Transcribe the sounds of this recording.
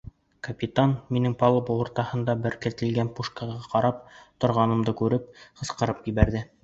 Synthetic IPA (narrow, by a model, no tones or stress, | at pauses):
kɐpʲit̪anminɘŋpɑlˠɤpulˠŏɾt̪ɑhɤ̆nd̪ɑbɘ̆ɾkɘ̆t̪ɘ̆lɡænpuʃkɑʁɑqɑɾɑp̚t̪ŏɾʁɑnɤ̆md̪ɤkʉɾɘp̚qɤ̆sqɤ̆ɾɤpjiβæɾðɘ